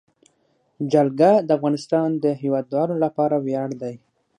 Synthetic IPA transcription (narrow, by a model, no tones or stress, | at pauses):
d͡ʒalɡad̪əafɣɑnɪst̪ɑnd̪əɦewɑd̪wɑlolapɑɾawjɑɽd̪aj